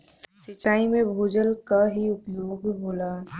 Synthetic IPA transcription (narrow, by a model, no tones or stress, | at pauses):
sɪt͡ʃaːimẽbʱoːd͡ʒəlkaɦiʊpjoːɡɦoːla